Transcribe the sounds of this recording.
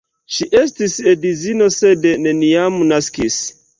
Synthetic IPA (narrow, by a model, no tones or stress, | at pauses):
ʃiʔestisedizinosedeneniamunaskis